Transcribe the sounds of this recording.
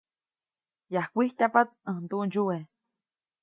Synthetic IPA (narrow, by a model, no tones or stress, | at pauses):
jahkʷiht̪apat̪̚ə̃nt̪uʔnd͡ʒue